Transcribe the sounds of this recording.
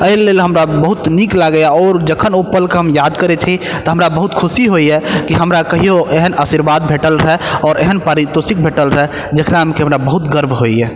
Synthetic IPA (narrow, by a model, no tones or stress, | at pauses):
əɦilelɦəmɾabəɦut̪niklaɡəjaɔːɾd͡ʒəkʰənopəlkeɦəmjad̪kəɾɛt͡ʃʰit̪ɔɦəmɾabəɦut̪kʰusiɦoiɛkiɦəmɾakəɦijoʔeɦənəsiɾbad̪̚bʱeʈəlɾəɔːɾeɦənpaɾit̪osik̚bʱeʈəlɾɛɦ | d͡ʒekɾamekiɦəmɾabəɦut̪ɡəɾbɦoiɛ